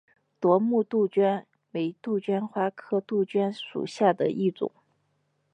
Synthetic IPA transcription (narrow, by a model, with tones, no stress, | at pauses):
t̪wɔ˧˥mu˥˧t̪u˥˧t͡ɕɥɛ˥n | me˧˥ɪt̪u˥˩t͡ɕɥɛ˥nxwa˥kʰɤ˥t̪u˥˩t͡ɕɥɛ˥nʂṵ˨˩ɕja˥˩d̪ə˩ʔi˥˩ʈ͡ʂʊ̰˨˩˦ŋ